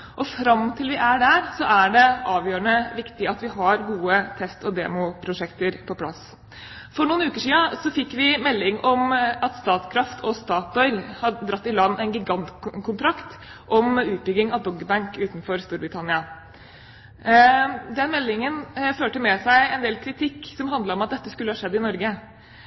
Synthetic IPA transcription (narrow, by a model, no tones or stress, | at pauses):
ʔɔfɾɑmt̪ʰɪlʋɪʔæɖæɾsɔʔæɖɛʔɑːʋjøːɾəɳəʋɪkt̪ɪɑt̪ʋɪɦɑɾɡuːət̪ʰɛst̪ɔd̪ḛːmʊpʰɾʊʂɛkt̪əɾpʰɔpʰlɑ̰s | fɔɳuːnʉːkəʂiːəsɔfɪkːʋɪmɛlːɪŋɔmɑt̪st̪ɑːt̪kʰɾɑft̪ʰɔst̪ɑːt̪ɔʏlhɑəd̪ɾɑt̪ːɪlɑnːɛɪnɡɪɡɑnt̪kʰʊnt̪ʰɾɑkt̪ | ʔɔmʉːt̪̚bʏɡɪŋɑʋd̪ɔɡːəbæŋkʉːt̪n̩fɔɾst̪uːɾbɾɪt̪ʰɑnɪɑ | d̪ɛnmɛlːɪŋənføːʈəmɛsæɪɛnd̪eːlkʰɾɪt̪ʰɪkːsɔmɦɑnd̪ləɾɔmɑt̪̚d̪ɛt̪ːəskʉlːəhɑʂɛd̪ːɪnɔɾɡə